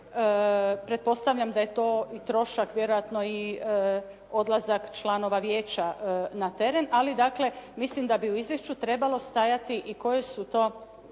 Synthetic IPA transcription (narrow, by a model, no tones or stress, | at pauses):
əpɾet̪̚po̞st̪aʋʎamd̪aje̞t̪o̞ːit̪ɾo̞ʃakʋʲje̞ɾo̞jat̪no̞i | o̞d̪lazakt͡ʃlano̞ʋaʋje̞ːt͡ɕanat̪e̞ɾe̞nalid̪akle̞mislimd̪abiuizʋje̞ʃt͡ʃut̪ɾe̞balo̞st̪ajat̪iʔiko̞jesut̪o̞ː